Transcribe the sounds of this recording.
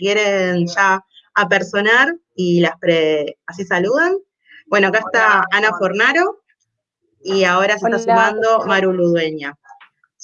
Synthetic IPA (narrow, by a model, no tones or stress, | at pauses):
kje̞ɾenʃaː | peɾso̞naɾ | ilaspɾeas̬isaluðan | bwe̞no̞akaest̪aanafo̞ɾnaɾo̞ | iao̞ɾase̞t̪asumãnd̪o̞maɾuluðwe̞ɲa